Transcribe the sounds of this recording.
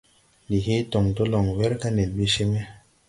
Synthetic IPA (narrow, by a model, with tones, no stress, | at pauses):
ni˨ɦi˦tɔ˨ŋto˦lɔ˨ŋwɛ˦ɾka˦ne˨lbi˦ʃe˦me˦